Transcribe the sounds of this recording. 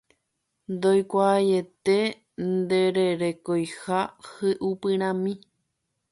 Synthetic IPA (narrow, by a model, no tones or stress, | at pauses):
nd̪ojkʷaːje̞t̪e̞ | nd̪e̞ɾeɾe̞kojhahɨʔupɨ̃ɾ̃ãmĩ